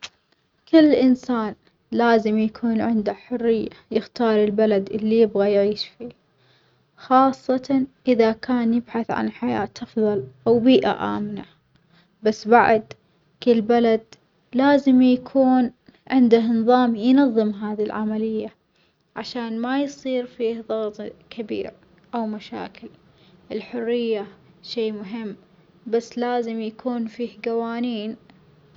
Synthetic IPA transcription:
kɪlːʔɪnsaːn | laːzɪmjakʰuːnʕɪnd̪aħʊrːɪjːajɪxt̪ɑːɾˤɪlbalad̪ʔɪlːijɪbɣajʕiːʃfiː | xɑːsˤːɑt̪ɑʔɪðakaːnjɪbħaθʕa̰nħaja̰ːt̪ɑfðˤɑlʔawbiːʔa̰ʔa̰ːmna | basːbaʕd̪ | kɪlbalad̪ | laːzɪmjakʰuːn | ʕɪnd̪ahnɨðˤɑːmjnɑðˤːɨmɦaːðilʕamalɪjːa | ʕaʃaːnmajsˤiːɾfiːhðˤɑɣt̪ˤkʰabḭːɾ | ʔawmaʃa̰ːkɪl | ʔɪlħʊrːɪjːa | ʃeːmʊɦɪmː | basːlaːzɪmjakʰuːnfiːhɡawaːniːn

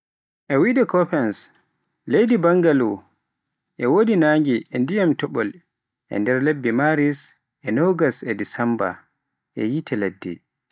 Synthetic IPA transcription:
ʔɛwidɛkɔpɛns | lejdibaŋɡalu | ʔɛwodinaːŋɡiʔɛndijamtɔɓɔl | ʔɛ̰ndɛɾlebːimaɾis | ʔɛnɔɡasɛdisɛmba̰ | ʔɛjitʰɛladːɛ̰

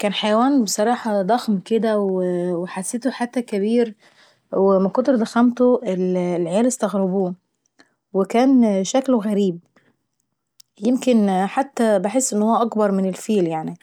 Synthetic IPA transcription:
kæːnħajæwæːnbesˤɑɾˤɑːħɑd̪ˤɑxmked̪æweweħasːeːt̪oħat̪ːækæβiːɾ | wemækont̪eɾd̪æxæmt̪oʔellʕejæːlest̪æɣɾɑbuː | wekæːnʃækloɣæɾiːb̚ | jemkenħat̪ːæbeħesːʔenːhowːæʔɑkbɑɾˤmɪnelfiːljaʕni

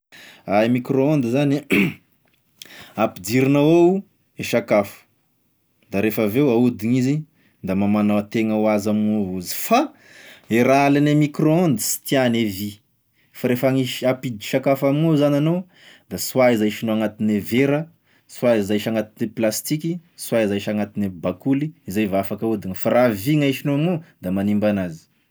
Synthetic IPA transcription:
aimikɾoond̪izani | apid̪iɾinawow | eʃakafu̥ | d̪aɾefəvewaud̪iŋizi | d̪amamanat̪eŋəwazaminouzi̥fa | eɾalanamikɾoond̪isi̥t̪ianevi | faɾefaŋiʃiapid̪i̥ʃakafamiŋozanano | d̪aswaizajʃinoaŋat̪ineveɾə | suaizaʃaŋat̪iniplast̪ikiswaizaiʃaŋat̪inebakuliizajvafakaud̪iɲfaɾaviŋajʃinoamod̪amanimbanazi̥

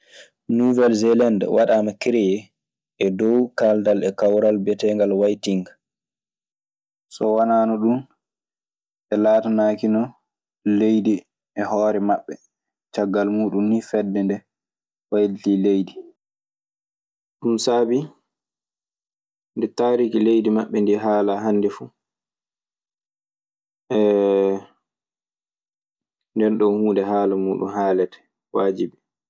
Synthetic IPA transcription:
nuvɛlzɛlandwaɗamakiɾɛjɛ | ʔɛdɔwkaldalɛkawɾalbɛtɛŋɡalwajtiŋɡ | sɔwanaːnɔɗun | ʔɛlaːtanaːkinɔ | lejdi | ʔɛhɔːɾɛmaɓːɛ | t͡ʃaɡːalmuːɗunːifɛdːɛndɛ | wajltilejdi | ɗumsaːbi | ndɛtaːɾikilejdimaɓːɛndiɦaːlaɦanːdɛfu | ʔɛ | ndɛnɗɔhuːndɛhaːlamuːɗṵnhaːlɛtɛ̥ | waːd͡ʒibɛ

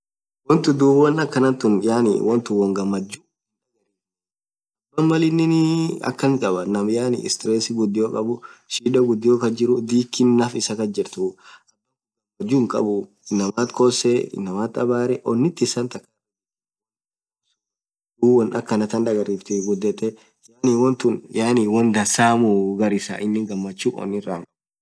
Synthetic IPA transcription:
wɔnt̪ʊd̪uːbwɔnɐkːɐnɐt̪ʊnjaːnɪ̰wɔnt̪ʊwɔŋɡɐmːɐd͡ʒːu | ɐi | ɐnmɐlɪnːɪnɪɐ̰kːɐŋkʼɐbɐnɐmjaːnɪ̰ɪ̰st̪ɾɛːsɪɡʊd̪ːɪjoːkʼɐbʊʃiːᶑɐɡʊd̪ːɪjoːkɐd͡ʒɪɾʊd̪iːkːɪnːɐfɪsɐkɐd͡ʒɪɾt̪ʊʔɐɐ | ɡɐmɐd͡ʒuŋkʼɐ̰bʊ | ɪnːɐmaːt̪kʰosɛɪ̰nːɐmaːt̪ɐbaːɾɛʔɔnːɪt̪ːɪsɐnt̪ɐkːɐ | d̪uːwɔnɐkːɐnɐt̪ɐnd̪ɐɡɐrːiːft̪ɪɡʊd̪ːɛt̪ːɛ | jaːniwɔnt̪ʊnjaːniwɔnd̪ɐsaːmuɡɐɾɪsa̰ʔɪnːɪŋɡɐmːɐt͡ʃːuːɔ̰nːɪrːaŋkʼɐ

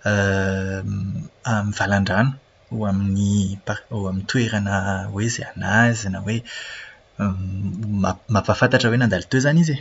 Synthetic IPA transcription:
ə | amiv̥alaɳɖ͡ʐanə̥ | uaminipauamint̪ʰueɾanəwezea̰nazinəwe | mamapafant̪aʈ͡ʂəwenand̪alit̪øzanize

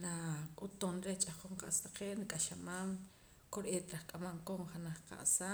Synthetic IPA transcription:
nakʼut̪onɾet͡ʃʼaχoɴqa̰ʔst̪aqeːʔnikʼaʃamaːm | koɾʔeːt̪ɾaχkʼamamkomχanaχqa̰ʔsaː

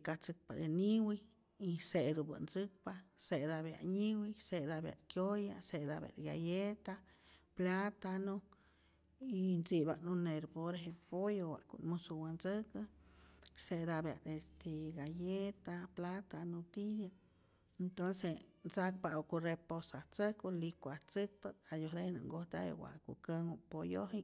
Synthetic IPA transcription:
kat͡sɨk̚pad̪eniwi | ised̪uba̰nd͡zɨk̚pased̪abja̰ʔɲiwised̪abja̰d̪kjojased̪abja̰d̪ɡajet̪a | plat̪anu | inzibanuneɾpoɾeepojowa̰kṵʔnmusuwanzəka | sed̪abja̰d̪est̪eɡajet̪aplat̪anut̪id̪ja | ent̪onsent͡sak̚paokureposaht͡səkolikʷaht͡sɨk̚paajohɾenṵŋɡoht̪aḛwa̰ʔkukəŋopojoɦi

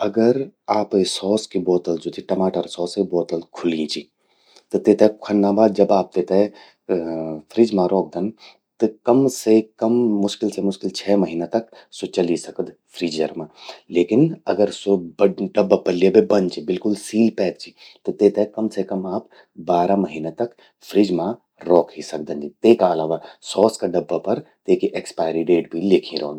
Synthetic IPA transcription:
ɐɡəɾaːpesɔːskibɔːt̪əld͡ʒot̪ʰiʈɐmaːʈəɾsɔːskibɔːt̪əlkʰʊliĩt͡ʃi | t̪ɨt̪eːt̪ekʰɐnːãːbaːd̪̚d͡ʒɐbaːp̚t̪eːt̪ɛ | fʰɾiːd͡ʒmãɾɔːk̚d̪ɐn | t̪ɨkɐmsekɐmːʊʃkɪlsemʊʃkɪlt͡ʃʰɛːmɐɦiːnat̪ɐksot͡ʃɐlisɐkəd̪pʰɾiːd͡ʒɐ̰ɾmãːleːkɪnɐ̰ɡəɾsobɐɖɐbːapɐɾliebebɐnt͡ʃʰibɪlkʊlsiːlpɛːk̪̚t͡ʃʰi | t̪ot̪eːt̪ekɐmsekɐmaːp | baːɾamɐɦiːnat̪ɐk | fʰɾid͡ʒmã | ɾɔːkʰɦisɐk̚d̪ənd͡ʒit̪eːkaɐlaːʋasɔːskaɖɐbːapɐɾt̪eːkiʔekspaːɪɾiɖeːʈbʱileːkʰĩɾo̰ːnd̪

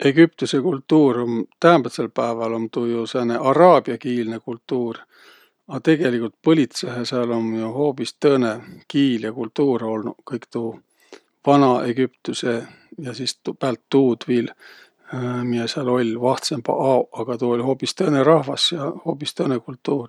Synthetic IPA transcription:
e̞ɡyp̚t̪use̞kult̪ˑːuːront̪æːmbet̪selpæːvɑlomt̪uːjusene̞ʔɑɾɑːb̥iɑkiːlne̞kult̪ːˑuːr | ɑt̪e̞ɡ̥e̞likːˑult̪̚pɤlʲit̪seɦeseɑlo̞njuho̞ːpist̪ɤːne̞kiːljɑkult̪ːuːɾo̞lnukɤjkt̪u | vɑnɑʔeɡ̥ypt̪use̞ | jɑsiːst̪pæːlt̪ːuːd̪̥viːl | mijeseɑlo̞lʲvɑht̪semb̥ɑ̰ʔɑoʔɑɡ̥ɑt̪uolʲho̞ːpist̪ɤːne̞ɾɑhvɑsjɑho̞ːpːˑist̪ɤːne̞kult̪ːˑuːr

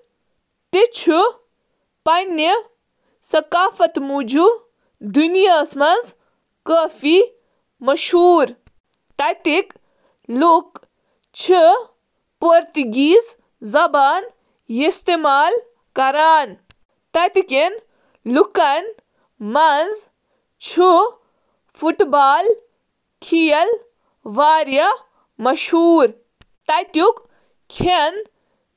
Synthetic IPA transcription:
t̪it͡ʃʰu | pɐnə | sɐkaːfɐt̪mud͡ʒu | d̪unjaːsmɐnz | kəːfi | mɐʃuːɾ | t̪ɐt̪ik | luk | t͡ʃʰi | poɾt̪iɡiːz | zɐbaːn | jist̪emaːl | kɐɾaːn | t̪ɐt̪iken | lukɐn | mɐnz | t͡ʃʰu | fʰuʈbaːl | kʰijɐl | ʋaːɾjɐ | mɐʃhuːɾ | t̪ɐjt̪juk | kʰen

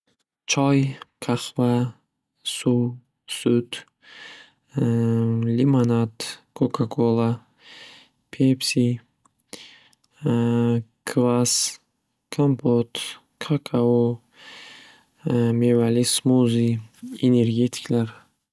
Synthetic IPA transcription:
t͡ʃʰɔjkʰaχva | su | sut̪ | limanat̪kʰokʰakʰolˠa | pʰepsi | kʰvas | kʰampʰot̪ | kʰakʰao | mevalismuziene̞ɾɡet̪ʰi̥klaɾ

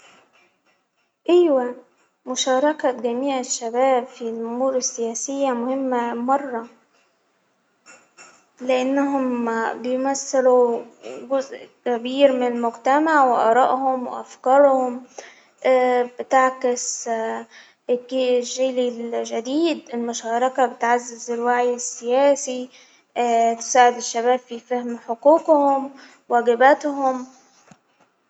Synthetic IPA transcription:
ʔajwa | mʊʃɑːɾˤɑkaɡamiːʕɪʃːabaːbfilʔʊmuːɾɪsːɪjaːsɪjːamʊhɪmːamɑrˤːɑ | lɪʔanːaɦʊmbɪjmasːɪluɡʊzʔkabiːɾmɪnɪlmʊɡt̪amaʕwɪʔɑ̰ːɾˤɑ̰ːʔhʊmwɪ̰ʔa̰fkɑːɾˤhʊm | ʔbɪt̪aʕkɪs | ɡʒiːlilʒad̪iːd̪ɪlmʊʃɑːɾˤɑkabɪt̪ʕazːɪzɪlwaʕjɪsːɪjæːsi | t̪ɪ̥saːʕɪd̪ɪʃːaβaːbfifahmħoquːqhʊm | waɡɪbat̪hʊm

